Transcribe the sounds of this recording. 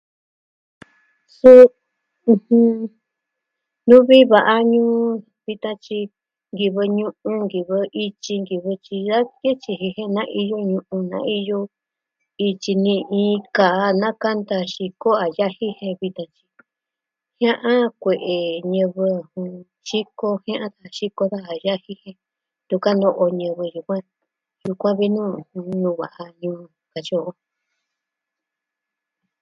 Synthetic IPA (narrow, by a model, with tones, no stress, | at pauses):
sũ˦˧ | h | nũ˦βi˦βa˧˨ʔa˧ɲũː˦ | βi˧t̪ã˧t͡ʃi˧ | ŋɡi˧βɨ˧ɲũ˧˦ʔũ˧ŋɡi˨βɨ˧i˧t͡ʃi˧ŋɡi˧βɨ˧t͡ʃi˧ða˦ke˦t͡ʃi˧ɦi˧hẽ˦˧nã˦ʔi˧jo˦ɲũ˧ʔũ˧nã̰˦ʔi˧jo˧ | i˧t͡ʃi˧nĩ˧ʔĩ˧kaː˨˧nã˦ka˦nd̪a˧ʃi˧ko˦a˨ja˦hi˦hẽ˧βi˧t̪ã˧t͡ʃi̥˧ | hj̃ã˦ʔã˦kʷe˨ʔe˨ɲɨ̃˧βɨ˧hũ˧ | ʃi˦ko˦hã˦ʔã˦ða˦˨ʃi˦ko˧ða˦a˨ja˦hi˦hẽ˧ | t̪u˧ka˦nd̪o˧ʔo˧ɲɨ̃˧βɨ˧ju˧kʷã˦ | ju˧kʷã˦βi˦nũː˦˨hũ˧nũː˧βa̰˨ʔa˧ɲũː˧ka˧t͡ʃo˦˧o˧